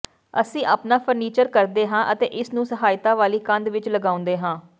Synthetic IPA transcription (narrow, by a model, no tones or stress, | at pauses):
əsĩːʔaːpnaːpʰəɾniːt͡ʃəɾkəɾd̪eːɦãːʔət̪ḛːʔɪsnũːsəɦaːɪt̪ãːʋaːliːkə̃nd̪ʋɪt͡ʃləɡaːʊ̃nd̪eːɦãː